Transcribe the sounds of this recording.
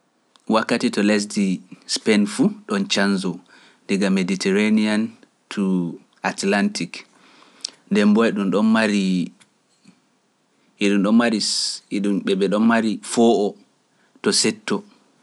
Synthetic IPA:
wakːatitɔles̬dispɛnfuɗɔnt͡ʃanzɔ | ndiɡameditʰɛɾanian | tʰu | atlantik | ndɛmbɔjɛɗumɗɔnmaɾi | ɛɗumɗɔmmaɾiɗumɓɛɓɛɗɔnmaɾifɔʔɔ | tɔsɛtːɔ

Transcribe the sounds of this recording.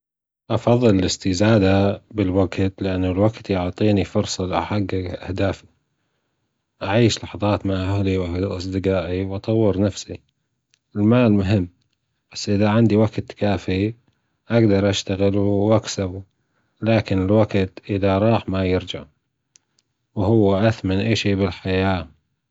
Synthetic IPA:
ʔɑfɑðˤːɨlɪlɪst̪izaːd̪abɪlwaɡt̪lɪʔanːʊlwaɡt̪jʊʕt̪ˤiːnifʊɾsˤɑlʔaħaɡːaʔa̰hd̪aːfi | ʔaʕiːʃlɑħɑðˤɑːt̪maʕʔahliwaʔɑsˤd̪ɨqɑːʔiwʔɑt̪ˤɑwːɪɾnafsi | ɪlmaːlmʊɦɪmː | b̥asːʔɪðaʕɪnd̪iwaɡt̪kaːfi | ʔaɡd̪ɑɾˤʔaʃt̪aɣɪlwʔaksabu | laːkɪnɪlwaɡt̪ʔɪðaɾˤɑːħmajɪɾd͡ʒaʕ | whʊwːaʔaθmanʔaːʃiːbɪlħajaː

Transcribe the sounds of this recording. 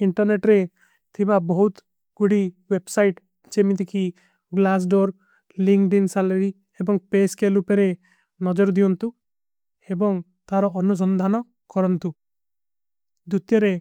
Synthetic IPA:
iɳʈɔɾneʈɾe | t̪ʰibabɔɦut̪ | ɡ̥uɽi | websajʈ | d͡ʒemit̪iki | ɡlas̬ɖoɾ | liŋkɖinsalɔɾi | ebɔŋpeskelupeɾe | nɔd͡ʒɔɾd̪iɔnt̪u | ebɔŋ | t̪aɾɔʔɔnus̬ɔnd̪ʱanɔ | kɔɾɔnt̪u | d̪ut̪jɔɾe

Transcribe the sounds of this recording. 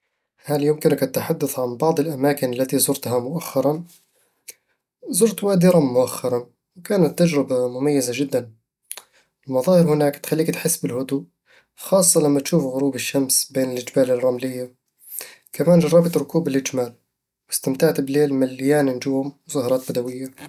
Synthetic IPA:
haljʊmkɪnɪkʔat̪ːħad̪ːaθʕanbɑʕd̪ˤɪlʔamaːkɪnalːat̪izʊɾt̪ɦamʊʔaxːɑɾˤɑn | zʊɾt̪waːd̪ɪɾamʊʔaxːɑɾˤɑn | wkaːnat̪ːad͡ʒɾɪbamʊmajːɪzad͡ʒɪd̪ːan | ɪlmɑðˤɑːhɪɾhʊnaːkt̪xalːiːkt̪ħɪsːbɪlhʊd̪uːʔ | xɑːsˤːɑlamːat̪ʃuːfɣʊɾuːbɪʃːamsbeːnɪlʔɪd͡ʒbaːlɪrˤːɑmlɪjːa | kamaːnd͡ʒɑrˤːɑbat̪ɾˤʊkuːbɪlʔɪd͡ʒmaːl | wɪst̪amt̪aʕt̪bleːlmalːɪjaːnɪnd͡ʒuːmmʊzɑːhɑɾˤɑːt̪bad̪awɪjːa

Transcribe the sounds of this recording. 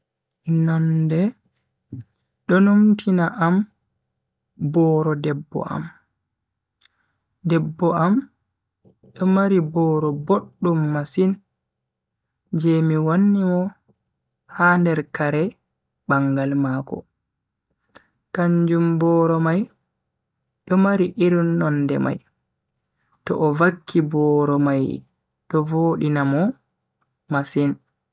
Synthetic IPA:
nandɛ | ɗɔnomtʰinaʔam | bɔːɾɔdɛbːɔ̰ʔa̰m | dɛbːɔam | ɗɔmaɾibɔːɾɔboɗːumːasin | d͡ʒɛmiwanːimɔ | handɛɾkaɾɛ | baŋɡalmakɔ̰ | kaɲd͡ʒumbɔɾɔmaj | ɗɔmaɾiʔiɾunːɔndɛ̰ma̰j | tɔ̰ʔːvakːibɔːɾɔmaj | ɗɔvoːɗinamɔ | masin

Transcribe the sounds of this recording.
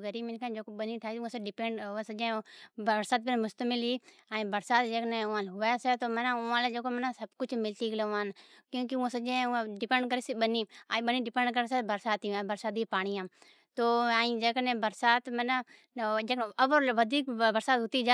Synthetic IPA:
ɡəɾiːmɪnkʰãd͡ʒoːkoɓəniːʈʰaːisãseɖɪpẽːɳɖsəd͡ʒẽbəɾsaːt̪̚bɪnmʊst̪əmɪlɦiː | aːĩbəɾsaːt̪d͡ʒeːknẽʊãːlɦʊʋaset̪oːmənaʊãːled͡ʒeːkomənãsəbkʊt͡ʃʰmɪlt̪iːɡleãːnkjõːkiũãsəd͡ʒẽãɖɪpẽːɳɖkəɾeːsiɓəniːãĩɓəniːɖɪpẽːɳɖkəɾesebəɾsaːt̪iabəɾsaːd̪ipaːɽ̃ijãː | t̪oːaːĩd͡ʒeknẽːbəɾsaːt̪mən | d͡ʒeːknəbəɾʋəd̪ʱiːkbəɾsaːt̪ɦʊt̪iːd͡ʒa

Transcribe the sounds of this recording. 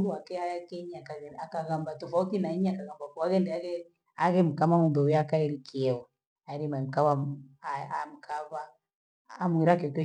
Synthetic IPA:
duwakɛajakɛɲakaakaɣambatɔfautinaiɲaakaɣambakuwaɣɛndɛaɣɛ | aɣɛm̩kamamumbɛwijakaɛɾikʰiɛwa | aɾimam̩kaβa̰ | mukʰaβaː | muiɾakɛkɔ

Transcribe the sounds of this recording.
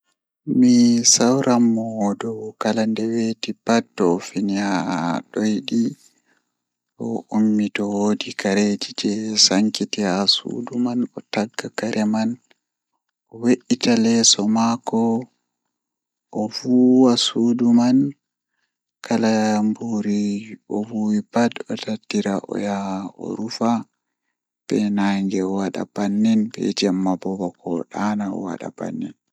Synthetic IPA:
misawɾamːɔdɔkalandɛwetipatːɔːfinihaɗojɗi | ʔɔ̰umːitɔwodikaɾed͡ʒid͡ʒɛsaŋkitihasṵdumanɔtaɡːakaɾʔɛman | ʔɔweʔːitalɛsɔmakɔ | ʔɔvuwasuːduman | kʰalambuɾiɔvuːwibadɔtadːiɾaʔɔ̰jaɔ̰ɾufa | b̥ɛnaːŋɡɛɔwaɗa̰b̥anːɛnbɛ̰d͡ʒamːabɔbɔkɔɗanaɔ̰wa̰ɗa̰ba̰nːɛn

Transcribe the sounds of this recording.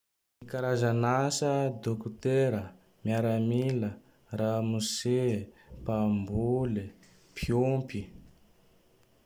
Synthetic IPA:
mikaɾazanasəd̪okut̪eɾə | mjaɾamilə | ramusepambule | pʰiompi

